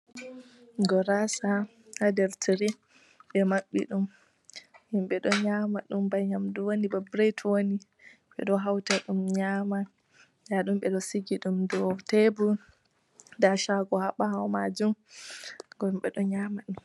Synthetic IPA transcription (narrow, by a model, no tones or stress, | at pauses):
ɡɔɾasa | hadɛɾtʰiɾi | ɓɛmaɓːḭɗum | himɓɛɗɔɲamaɗumbajɲamduwonibabɾejtwoni | ɓɛ̰ɗɔɦawtaɗumɲama | jaɗumɓɛɗɔsiɡiɗumdɔtebu | daʃaɡɔhaɓahawmad͡ʒum | ɡɔmɓɛɗɔɲaːmaɗum